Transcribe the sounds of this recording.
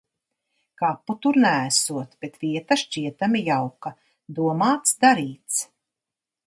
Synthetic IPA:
kapːut̪uɾnæːsuɔt̪b̥et̪viɛt̪aʃt͡ʃiɛt̪amijawka | d̪uɔmaːt̪sd̪aɾiːt̪s

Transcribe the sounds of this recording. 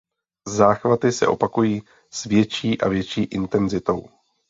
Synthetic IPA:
zaːxvat̪ɪsɛ̰ʔopakujiː | svjɛt͡ʃiːʔa̰vjɛt͡ʃiːʔɪnt̪ɛnzɪt̪o̞w

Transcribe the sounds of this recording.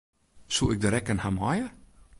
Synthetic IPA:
suɪk̚dəɾɛkənhamajə

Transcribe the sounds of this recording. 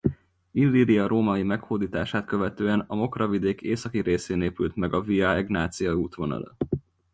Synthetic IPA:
ilːiɾiɒɾoːmɒimɛkhoːd̪iːt̪aːʃaːt̪køvɛt̪øːɛnɒmo̞krɒvid̪eːkʰeːsɒkiɾeːseːneːpylt̪mɛɡɒviɒɛɡnaːt̪sijɒuːt̪ʋo̞nɒ̰lɒ̰

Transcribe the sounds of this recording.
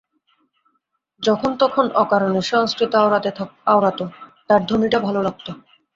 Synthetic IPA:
d͡ʑɔkʰont̪ɔkʰonʔɔkaɾoneʃɔŋskɾit̪oaɾat̪eaaoɾat̪ot̪aɾd̪ʱomiʈabʱalolaɡ̚t̪o

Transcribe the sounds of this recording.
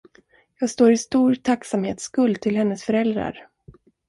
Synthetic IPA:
jɑːɡst̪oːɾɪst̪uːɾt̪ʰaksamheːt̪skɵld̪̚t̪ʰɪlhɛnːəsfœɾɛld̪ɾa̰ɾ

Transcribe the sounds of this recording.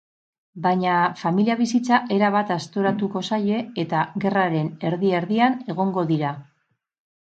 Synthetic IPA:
baɲafamiliaβ̞isit͡saʔe̞ɾaβat̪ast̪o̞ɾat̪uko̞saʎe̞ːt̪aɣe̞raɾe̞ne̞ɾðie̞ɾðiane̞ɣ̞o̞ŋɡo̞ðiɾa

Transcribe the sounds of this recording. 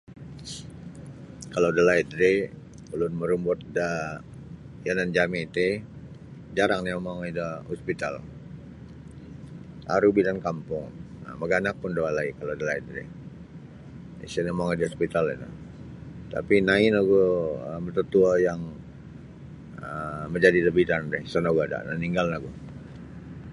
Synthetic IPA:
kalodalaidɾe | ulʊnməɾumbɔt̪̚da | janand͡ʒamit̪e | d͡ʒaɾaŋnimaŋidahɔspit̪a̰l | a̰ɾubidankampʊŋ | ə̰maɡanak̚pʊndoalaikalodalaindɛ̰ | ḭsənimaŋidaɔspit̪alḭna̰ | t̪a̰pinainaɡoəmət̪ut̪uajaŋ | əməɲd͡ʒadiləbidandɛhsənoɡada̰naniŋɡalnaɡu

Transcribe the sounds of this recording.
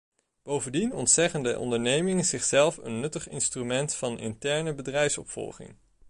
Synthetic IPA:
b̥owvəndinɔntsɛχəndəʔɔ̰ndəɹnejmɪŋənzɪχsɛlˠfə̰nːɵtəχɪ̰nstrymɛntfɑnɪ̰ntɛɹnəbədrɛjfsɔ̰pfɔ̰lˠχɪ̰ŋ

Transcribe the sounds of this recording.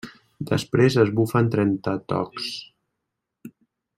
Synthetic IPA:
d̪əspɾezəzβufənt̪ɾɛnt̪ət̪ɔ̰ks

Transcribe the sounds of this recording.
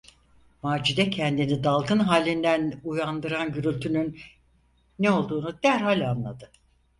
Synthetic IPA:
maːd͡ʒid̪ɛcʰɛnd̪inid̪alˠɡɯnɦaːlʲind̪ænujand̪ɯɾanɟyɾylʲt̪ʰynynː | ɛo̞lˠd̪uːnud̪æɾhalʲanlˠad̪ɯ

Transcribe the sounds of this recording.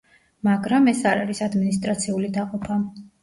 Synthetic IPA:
maɡɾamɛsaɾaɾisad̪minist̪ʼɾat̪sʰiulid̪aqʼɔpʰa

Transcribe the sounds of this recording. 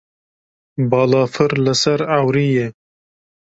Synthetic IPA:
bɑːlɑːfɨɾləsɐɾawɾiːje

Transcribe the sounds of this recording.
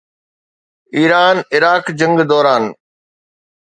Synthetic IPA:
iːɾaːnɪɾaːkd͡ʑə̃ŋɡd̪ɔːɾaːn

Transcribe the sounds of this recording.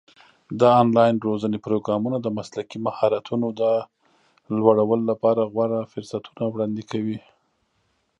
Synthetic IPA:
d̪əɑnlɑjɪnɾozənepɾoɡɾɑmunad̪əmaslakimahɑɾat̪ʰunod̪ə | lwaɽawəlolapɑɾaɣwaɽafʊɾsat̪ʰu̥nawɽɑnd̪ikʰawi

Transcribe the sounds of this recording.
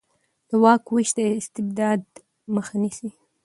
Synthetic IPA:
d̪̥əwɑkwiʃd̪əɪst̪ɪbd̪ɑd̪ | məxanisi

